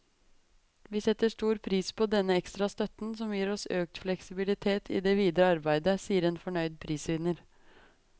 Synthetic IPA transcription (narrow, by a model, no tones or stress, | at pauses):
ʋiːsɛt̪ːəʂʈuːɾpʰɾiːspʰɔd̪ɛnːəɛkst̪ɾɑst̪œt̪n̩sɔmjiːɾɔsøːk̚t̪flɛksɪbɪlɪt̪ʰeːt̪ʰḭːd̪eːʋiːd̪ɾəɑɾbæɪd̪əsiːəɾeːnfɔɳœʏd̪̚pʰɾiːsəʋɪnəɾ